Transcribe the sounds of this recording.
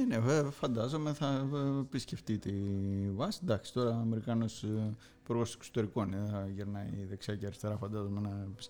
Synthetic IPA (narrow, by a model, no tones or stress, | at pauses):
enefɐnd̪ɐzo̞me̞θɐpisce̞ft̪it̪ivɐsi̥nd̪ɐksi̥t̪o̞ɾɐːme̞ɾikɐnos | puɾɣo̞se̥kso̥t̪e̞ɾiko̞neðeθɐʝeɾnɐiðeksiɐciɐɾist̪e̞ɾɐfɐnd̪ɐzo̞me̞nɐpis